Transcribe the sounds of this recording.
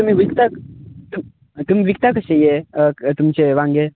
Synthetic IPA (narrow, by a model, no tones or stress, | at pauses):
t̪um̤iʋikt̪at̪um | t̪um̤iʋikt̪akəɕẽjet̪umt͡ɕeʋãŋɡe